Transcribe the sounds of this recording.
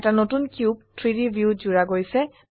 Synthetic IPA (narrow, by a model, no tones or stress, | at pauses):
ɛtanotunkjub̚tʰɹiɹibʱjuzuɹaɡojsɛ